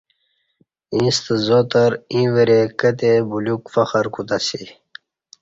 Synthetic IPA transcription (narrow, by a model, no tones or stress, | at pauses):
ĩːst̪əzot̪əɾĩːʋeɾekət̪̬ebulukfɐxəɾkut̪asi